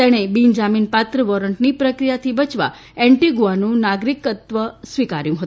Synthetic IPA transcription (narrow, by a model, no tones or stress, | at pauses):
t̪eɽ̃ebind͡ʒaminpat̪ɾəʋɔɾəɳʈnipɾəkɾijat̪ʰibət͡ʃʋa̰ | eɳʈiɡuanũnaɡɾikət̪ʋəsʋikaɾjũɦət̪ũ